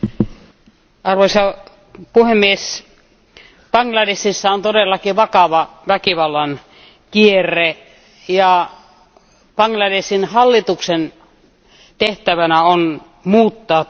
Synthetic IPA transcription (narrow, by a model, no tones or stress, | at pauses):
ɑrʋoisɑ | puhemːies | pɑŋɡlɑdesisːæont̪odelːɑkiʋɑkɑʋɑʋækiʋɑlːɑn | kierːˑe | jɑ | pɑŋlɑdesinhɑlːit̪uksen | t̪eht̪æʋænæon | muːt̪ːɑː